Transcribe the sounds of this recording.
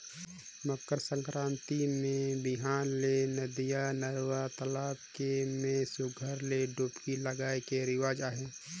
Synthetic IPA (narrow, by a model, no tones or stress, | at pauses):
məkːəɾsə̃ŋkɾãːnt̪imẽbɪɦaːnlenəd̪ijanəɾwat̪əlaːb̚kemẽsʊɡʱəɾleɖoːpkiləɡaːekeɾɪwaːd͡ʒaːɦẽː